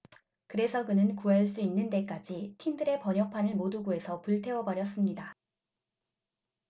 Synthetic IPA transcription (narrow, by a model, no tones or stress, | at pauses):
kɯɾe̞sʰʌkɯnɯnkuaɭs͈uinːɯnde̞k͈ad͡ʑitʰindɯɾe̞pʌɲjʌk̚pʰanɯɭmoduɡue̞sʰʌpuɭtʰe̞wʌbʌɾjʌs͈ɯmɲida